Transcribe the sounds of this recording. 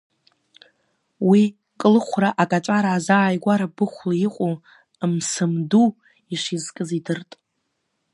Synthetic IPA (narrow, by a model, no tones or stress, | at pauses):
wi | kʼɨlɨχʷraʔakʼat͡ʃʷʼaɾaːzaːjɡʷaɾabɨχʷlaiqʷʼo | msɨmdu | iʂizkʼɨzidɨrtʼ